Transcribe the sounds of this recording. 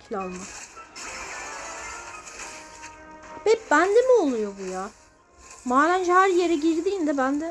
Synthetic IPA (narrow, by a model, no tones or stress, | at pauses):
kʰlʲalˠma | bɛp̚bænd̪emiolˠujobujaː | maːlænd͡ʒɛhæɾjeɾɛɟiɾd̪iːnd̪ɛbænd̪ɛ